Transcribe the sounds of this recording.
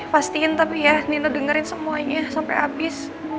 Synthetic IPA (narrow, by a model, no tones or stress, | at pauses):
past̪iɪnt̪apijaninodəŋəɾɪnsəmuaɲasampa̰jabɪs